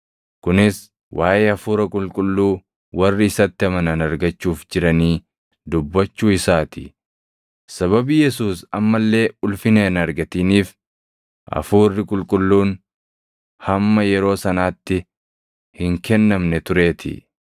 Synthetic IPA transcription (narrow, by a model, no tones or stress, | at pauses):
kʊnɪs | wʔaːʔɛɐfuːɾɐkʼʊlkʼʊlːuː | wɐrːɪɪsɐt̪ːɪɐmɐnɐnɐɾɡɐt͡ʃːuːfd͡ʒɪɾɐniː | d̪ʊbːɐt͡ʃːuːɪsaːt̪ʰɪ̰ | sɐβɐbiːjɛsuːsɐmːɐlːe̞ːʊlfɪneːnɐɾɡɐt̪iːniːf | ʔɐ̰fuːrːɪkʼʊlkʼʊlːuːn | hɐmːɐjɛɾo̞ːsɐnaːt̪ːɪ | hɪŋkɛnːɐmnɛt̪ʊɾe̞ːt̪ʰɪ̰